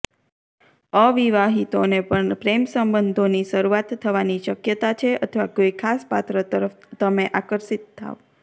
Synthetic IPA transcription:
əʋiʋaɦit̪onepəɳpɾemsəmbənd̪ʱoniʃəɾuat̪ʰːəʋaniʃəkjət̪at͡ʃʰeət̪ʰʋaɡojkʰaspat̪ɾət̪əɾəft̪əmeʔakəɾʃit̪ʰːa̰o

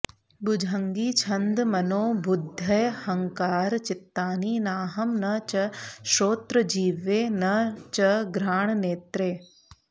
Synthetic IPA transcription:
bʊd͡ʒʱɐŋɡiːt͡ʃʰɐnd̪mɐnoːbʊd̪ʱːɐjhɐŋkaːɾt͡ʃɪt̪ːaːniːnaːɦɐmnɐt͡ʃɐʃoːt̪ɾəd͡ʒiːʋeːnɐt͡ʃɐɡɾaːɳ̃neːt̪ɾeː

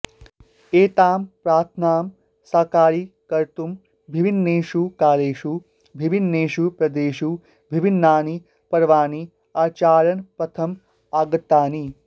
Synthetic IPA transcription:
eːt̪aːmpɾaːt̪ʰnaːm | saːkaːɾikɐɾt̪um | bʱiʋinːeːʃukaːleːʃu | bʱibinːeːʃupɾɐd̪eːʃu | bʱibʱinːaːni | pɐɾʋaːni | aːt͡ʃaːɾɐnpɾɐt̪ʰɐm | aːɡɐt̪ːaːni

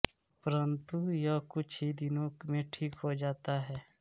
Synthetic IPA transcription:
pɐɾənt̪ujɐkʊt͡ʃʰid̪ɪnõmẽʈʰiːkɦod͡ʒaːt̪aɦɛː

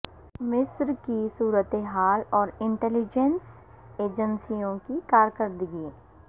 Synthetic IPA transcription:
mɪsɾkisuːɾət̪eɦaːlɔːɾɪ̃ɳʈɛlɪd͡ʒəns | eːd͡ʒənsijõkikaːɾkəɾd̪ɪɡi

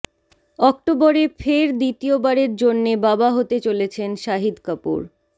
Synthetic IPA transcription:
ɔk̚ʈoboɾefeɾd̪it̪iobaɾeɾd͡ʑonːebabaɦot̪et͡ɕolet͡ɕʰenʃaɦid̪kapṵɾ

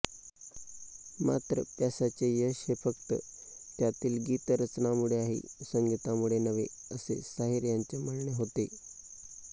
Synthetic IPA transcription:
ma̰t̪ɾəpjasat͡sejəɕefək̚t̪ə̰ | t̪jat̪iːlɡiːt̪ɾət͡snamuɽeaɦḭsəŋɡit̪amuɭenəʋe | əsḛsaɦiɾjaɲt͡sem̤əɭɳeɦot̪e

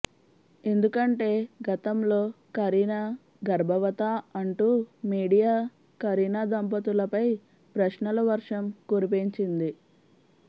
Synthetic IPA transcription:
e̞nd̪ukɐɳʈe̞ːɡɐt̪ɐmlo̞ː | kɐɾiːna | ɡɐɾbʱɐʋɐt̪aɐɳʈuːmiːɽijaː | kɐɾiːnaːd̪ɐmpɐt̪ulɐpɐj | pɾɐʃnɐlɐʋɐɾʂɐmkuɾip̬iɲt͡ʃind̪i

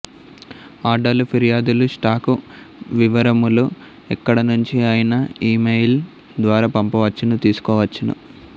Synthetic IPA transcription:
aːɖɐlupʰiɾijaːd̪uluʂʈaːku | ʋiʋɐɾɐmulu | ɛkːɐɽɐnuɲt͡ʃiaːjinɐiːmejl | d̪ʋaːɾaːpɐmpɐʋɐt͡ʃːɐnut̪iːsu̥kɔːʋɐt͡ʃːɐnṵ

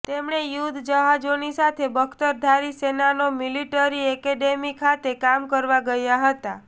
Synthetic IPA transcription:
t̪emɳejud̪d͡ʒəɦad͡ʒonisat̪ʰebəkʰt̪əɾd̪ʱaɾisenanomiliʈəɾiɛkeɖemikʰat̪ekamkəɾʋaɡəjaɦət̪a

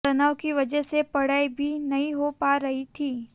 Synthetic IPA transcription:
ɐnaːwkiʋɐd͡ʒɛsepɐɽ̤aːibʱinɐɦĩɦopaɾɐɦit̪ʰiː

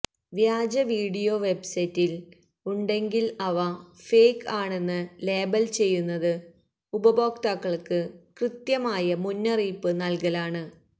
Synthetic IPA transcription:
ʋjaːd͡ʑɐʋiːɽijo̞ːʋe̞bsɐjtːil | uɳɖe̞ŋɡilɐʋɐfeːkːaːɳe̞nːɨleːbɐlt͡ɕe̞jːunːɐðɨ | ubɐbo̞ːkt̪aːkːɐɭkɨkrɨt̪jɐmaːjɐmunːɐriːpːɨnɐlkɐlaːɳɨ

